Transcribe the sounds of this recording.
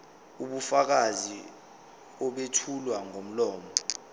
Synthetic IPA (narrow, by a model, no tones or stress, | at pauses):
uɓufak̬azi | ɔɓetʰulwaŋom̩lɔːmɔ